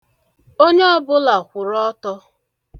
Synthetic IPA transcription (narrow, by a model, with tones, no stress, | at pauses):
o˦ɲe˦ɔ˦bʊ˦la˨kʷʊ˨ɾɔ˦tɔ˦